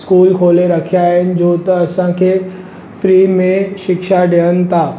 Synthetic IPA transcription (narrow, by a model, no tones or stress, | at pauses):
skuːlkʰoːleɾɐkʰijaːɦɪnɪ̆d͡ʑoːt̪ɐːsãkʰeː | fɾiːmẽʃɪkʃaɖijənɪ̆t̪ʰaː